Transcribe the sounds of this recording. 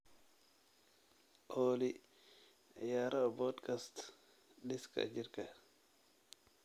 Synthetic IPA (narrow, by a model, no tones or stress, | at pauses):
ʔoːlḭ | jaɾabɔdkast | ɗiska̰d͡ʒiɾka